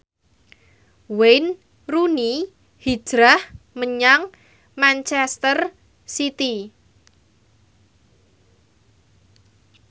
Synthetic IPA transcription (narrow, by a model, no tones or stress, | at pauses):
wejn | runi | hi̥ʒ̥ɾah | məɲaŋ | mant͡ʃɛst̪ər | sit̪i